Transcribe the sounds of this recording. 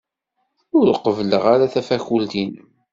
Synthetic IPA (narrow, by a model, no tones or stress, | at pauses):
ʊɾqəvlə̰ʁaɾaθæfæçult̪in